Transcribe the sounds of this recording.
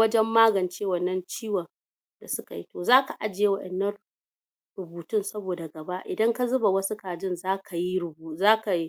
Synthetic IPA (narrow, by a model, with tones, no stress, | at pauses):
wɐ˦d͡ʒɛ˦mːaː˦ɡɐ˨nt͡ʃeː˦wɐ˨nːɐ˦nt͡ʃiː˦wɐ˨n | da˨sʊ˦ka̰˨ji˦toː˨zaː˦ka˨ʔa˦d͡ʒɪ˨je˦wɐ˦ɗɛ̰˨nːɐ˦r | ɾʊ˨buː˨tʊ˦nsɐ˦boː˨da˨ɡɐ˨ba˦ʔʔɪ̰˨dɐ˦ŋka˦zʊ˦ba˨wɐ˦su˦kaː˨d͡ʒɪ˦nzaː˦kʰa˨ji˦ɾʊ˨buː˨zaː˦ka˨ji˦